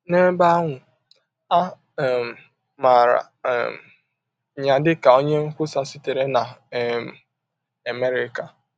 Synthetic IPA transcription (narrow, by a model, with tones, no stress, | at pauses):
ne˦ba˦a˦ŋʷʊ˨ | a˦˨ | m˨ | ma˨ɾa̰˨ | m | ɲa˨dɪ˦ka˨o˦ɲe˦ŋ̩˦kʷʊ˦sa˨sɪ˦te˨ɾe˦na˨m˨ | a˨me˦ɾɪ˦ka˨